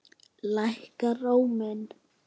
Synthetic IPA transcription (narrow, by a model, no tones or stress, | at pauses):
lajhkaroːwmɛn